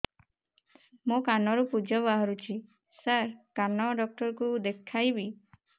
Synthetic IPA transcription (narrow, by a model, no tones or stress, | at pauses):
mokanɔɾupud͡ʒɔbaɦɔɾut͡ʃʰi | saɾkanɔɖɔk̚ʈɔɾkud̪ekʰːajbi